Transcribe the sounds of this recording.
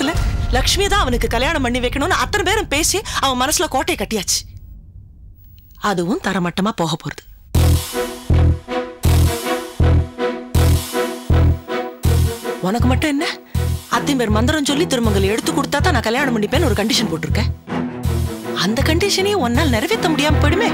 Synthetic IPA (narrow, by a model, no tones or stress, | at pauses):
ɪlɐlɐkʂmɪjɐt̪ãːɐʋɐnɯkːɯkɐljaːɳɐmpɐɳːiʋɐɪkːɐɳʊnːaɐt̪ːɐnɐp̬eːɾɯmpeːsiɐʋɐ̃mɐnɐsːɪlɐkoːʈːɐjɐkɐʈːɪjaːt͡ʃːɯ̥ | ɐðɯʋʊ̃nt̪ɐɾɐmɐʈːɐmaːpoːɣɐpːoːɾɐðɯ̥ | ɔnɐkːɯmɐʈːʊ̃ɛnːɐ | ɐt̪ːɐnpeːɾmɐnd̪ɯɾɐmsɔlːit̪ɪɾɯmbɐŋɡɐɭɛɽɯt̪ːɯkːɔɽɯt̪ːaːt̪ãːnãːkɐljaːɳɐmːɐɳːipeːnɔɾɯkɐɳɖɪʂɐnpoːʈːɯɾɯkːẽː | ɐnd̪ɐkɐɳɖɪʂɐnɛjẽɔnːaːlnɪɾɐʋɛt̪ːɐmʊɽɪjaːmpoːjɽɯmeː